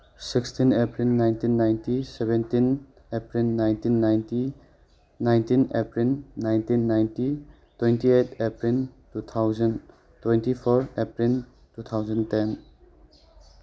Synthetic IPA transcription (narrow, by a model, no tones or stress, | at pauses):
sikstinepɾilnajntinːajntisebentin | epɾilnajntinːajnti | najntinepɾilnajntinːajnti | twentietʰepɾiltut̪ʰawzɐn | twentipʰɔɾepɾil | tut̪ʰawzɐnten